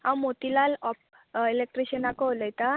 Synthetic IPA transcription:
ãmot̪ilalɔp̚ | elek̚ʈɾiɕənakɔɦoljt̪a

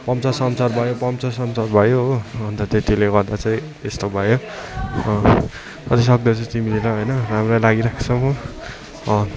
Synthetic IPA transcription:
pʌmt͡sʌsʌmsʌrbʱʌjopʌmt͡sʌsʌmsʌrbʱʌjobʱʌnt̪ʌt̪et̪ileɡʌrd̪at͡saĩ | est̪obʱʌjo | kʌt̪is̬ʌk̚d̪ʌt͡sʌ̃t̪imilelaɦojnʌramralaɡiɾakʰt͡sʰʌmʌ | ʌ

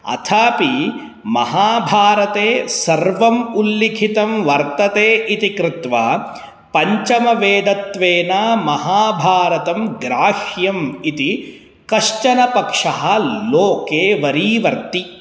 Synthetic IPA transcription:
ɐ̰t̪ʰaːpi | mɐ̰ɦaːbʱaːɾɐt̪eːsɐɾʋɐmulːikʰit̪ɐmʋɐɾt̪ɐt̪eːʔit̪ikɾɪt̪ʋaː | pɐɲt͡ʃɐmɐʋeːd̪ɐt̪ʋeːnaːmɐɦaːbʱaːɾɐt̪ɐmɡɾaːʃjɐmit̪i | kɐʂt͡ʃɐnɐpɐkʂɐɦɐloːkeːʋɐɾiːʋɐɾt̪i

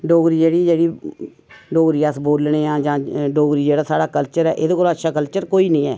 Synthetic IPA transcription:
ɖoːɡɾiːd͡ʒeːɽiːd͡ʒeːɽiː | ɖoːɡɾiːəsboːlɳeːãːd͡ʒãːɖoːɡɾiːd͡ʒeːɽaːsaːɽaːkəlt͡ʃəɾɛːʔed̪eːkoːlətːʃʰaːkəlt͡ʃəɾkoːiːnĩːɛ̰ː

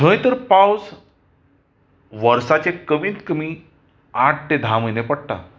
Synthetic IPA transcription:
tʰə̃jt̪əɾpawd͡z | ʋəɾsat͡ɕekəmiːt̪kəmiː | aʈ̚ʰʈed̪ʱaməjnepəɽʈ̪a̰

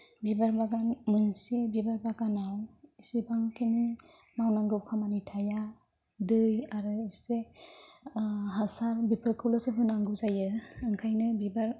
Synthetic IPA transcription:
bibaɾbaɡanmɯnsebibaɾbaɡanawisibaŋkʰeni | mawnaŋɡɯwkʰamanitʰaja | dɯjaɾɯse | ɦasaɾbipʰɯɾkʰɯwlɔsɯɦɯnaŋɡɯwzajɯɯŋkʰajnɯbibaɾ

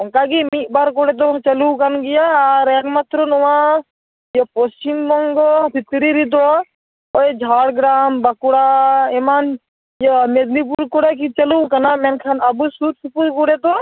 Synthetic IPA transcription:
ɐŋkaɡimiʔbaɾkoɽet̪̬ot͡ʃɐlukɐnɡijaɾekmɐt̪ɾonuʋa | jepost͡ʃimmɔŋɡopit̪ɾiɾid̪o | oed͡ʒʱaːɽɡɾaːmbɐkuɽaeman | jemed̪nip̬uɾkoɽek̬it͡ʃɐluːkɐnamenkʰanɐbusuɾsupuɾkuɽet̪o

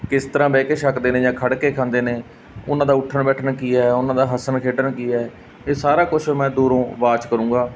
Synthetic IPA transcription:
kɪst̪əɾãːbɛːkeːʃəkd̪eːneːd͡ʒãːkʰəɽkeːkʰãːnd̪eːneː | ʊ̰nãːd̪aːʊʈʰənbɛːʈʰnːkiːɛːʊnãːd̪aːɦəsənkʰeːʈənkiːɛː | eːsaːɾaːkʊt͡ʃʰːmɛ̃ːd̪uːɾõːʋaːt͡ʃkəɾũːɡaː

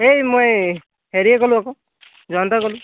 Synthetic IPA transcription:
ejmoj | ɦeɾiekɔluakɔ | d͡ʒɔnt̪akɔlu

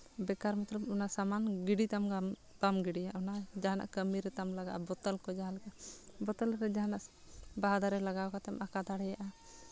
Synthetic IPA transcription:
bɛkaɾmɔt̪ɾɔbɔnasamanɡiɖit̪amɡam | bamɡiɽijaʔɔnad͡ʒaɦana̰ʔkəmiɾɛt̪amlaɡaʔabɔt̪əlkɔd͡ʒaɦalkabɔt̪əlɾɛd͡ʒaɦanaʔ | baɦad̪aɾɛlaɡaɔkat̪ɛmʔakad̪aɽɛjaʔa

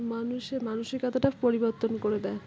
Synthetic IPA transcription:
manuʃeɾmanuʃeɾkat̪ʰaʈapoɾiboɾt̪onkoɾed̪ɛ

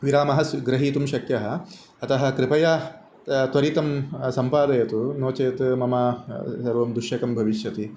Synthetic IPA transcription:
ʋiɾaːmɐɦɐsɡɾɐɦiːt̪umʃɐkjɐɦɐ̆ | ɐt̪ɐɦɐ̆kɾɪpɐjɐ | t̪ʋɐɾit̪ɐmsɐmpaːd̪ɐjɐt̪unoːt͡ʃɐjɐt̪mɐmaːsɐɾʋɐmd̪uʃjɐkɐmbʱɐʋiʃjɐt̪i

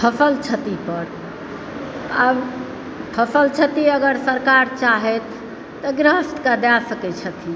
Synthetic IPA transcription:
pʰəpəlt͡ʃʰət̪ipəɾ | ab | pʰəsəlt͡ʃʰət̪iəɡəɾsəɾkaɾt͡ʃaɦɛt̪ʰː | əɡɾəst̪kad̪asəkɛt͡ʃʰət̪ʰi

